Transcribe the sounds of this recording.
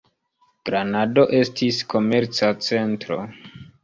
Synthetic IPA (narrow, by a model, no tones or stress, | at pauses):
ɡ̥ɾanado̞ʔe̞stʰiskʰo̞me̞ɾt͡sat͡se̞ntɾo̞̰